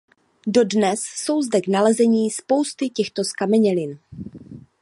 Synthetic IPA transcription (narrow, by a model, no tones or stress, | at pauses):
do̞dnɛsːo̞wzdɛɡnalɛzɛɲiːspo̞wst̪ɪcɛxt̪oskamɛɲɛlɪn